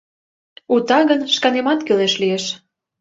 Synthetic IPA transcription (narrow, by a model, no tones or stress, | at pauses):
ut̪ɑɣənʃkɑnemɑt̪kyleʃlijeʃ